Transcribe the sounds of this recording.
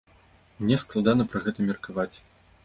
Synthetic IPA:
mnʲɛsklˠad̪anɐpɾɨɣɛt̪ɐmʲɛrkavat͡sʲ

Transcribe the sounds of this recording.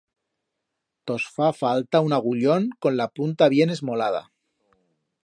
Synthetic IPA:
t̪o̞sfafalt̪aunaɣ̞uʎo̞ŋko̞nlapunt̪aβje̞ne̞zmo̞lað̞a̰

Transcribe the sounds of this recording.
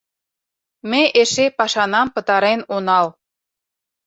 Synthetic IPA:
meʔeʃepɑʃɑnɑmpə̆t̪ɑɾenonɑl

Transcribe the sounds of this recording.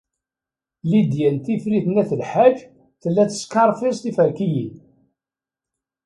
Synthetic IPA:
lid̪jænt̪ifɾiθnæθəlħad͡ʒ | θəlːæt͡sːə̥skɑɾˤfist̪ifəɾkiji

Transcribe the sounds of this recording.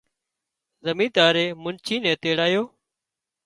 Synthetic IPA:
zəmĩːt̪aːɾeːmʊnt͡ʃʰiːnẽːt̪eːɽaːjoː

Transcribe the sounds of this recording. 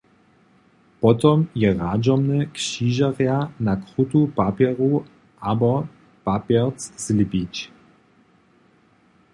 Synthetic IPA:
pɔt̪ɔmjɛʁad͡ʑɔmnɛkɕiʒaʁjanakχut̪upapʲjɛɾu | ʔabɔ | papʲjɛʁt͡sz̥lʲipʲit͡ɕ

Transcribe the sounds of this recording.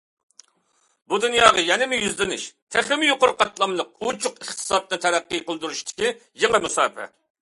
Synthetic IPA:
bud̪unjɑːʁɑjɛnɪmʊjyzlɪnɪʃt̪ʰæχɪmɪjoqʊɾqʰɑt̪lˠɑmlˠəq̚ut͡ʃʰʊqəχt̪ʰɨ̥sɑt̪̚nɨt̪ʰɛɾæqːɨjqəlˠd̪uɾuʃt̪ʰɪ̥kʲijeŋɨmusɑːpʰɛ̰

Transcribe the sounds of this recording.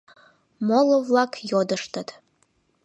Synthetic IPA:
molˠovlˠɑkʰjod̪əʃt̪ət̪

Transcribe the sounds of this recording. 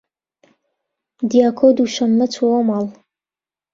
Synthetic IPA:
d̪ijaːkʰod̪uʃɐmnɐt͡sʰowomal

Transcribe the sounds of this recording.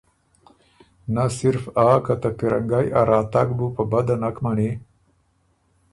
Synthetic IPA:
nasɪɾfaːkat̪apiɾaŋɡajaɾɑːt̪aɡbupəbad̪anakmaɳe

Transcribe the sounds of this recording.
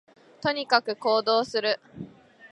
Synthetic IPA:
t̪o̞ɲ̟ikakɯ̟ko̞ːd̪o̞ːsɨɾɯ̟

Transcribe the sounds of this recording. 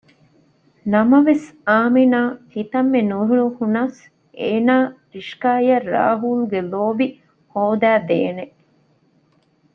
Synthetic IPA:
nɐmɐʋesaːminaːhit̪ɐmːenuɾuɭuhunɐs | ʔeːnaːɾiʃkaːjɐrːa̰ːɦuːluɡeloːbi | hoːd̪æːd̪eːne

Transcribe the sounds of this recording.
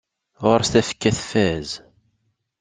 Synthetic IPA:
ʁʊɾst̪æfə̥kːæθfæz

